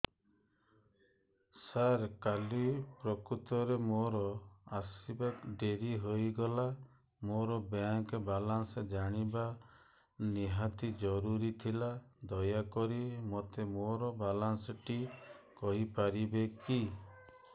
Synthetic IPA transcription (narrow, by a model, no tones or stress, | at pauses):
saɾkalipɾɔkut̪ɔɾemoɾɔasibakɖeɾiɦojɡɔla | moɾɔbaŋkbalansed͡ʒaɽ̃iba | niɦat̪id͡ʒɔɾuɾit̪ʰilad̪ɔjakɔɾimot̪emoɾɔbalansɔʈikɔɦipaɾibeki